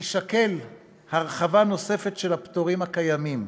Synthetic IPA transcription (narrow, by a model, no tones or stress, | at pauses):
iʃake̞l | haʁeχavano̞se̞fe̞tʃelhaptoʁimhakajamim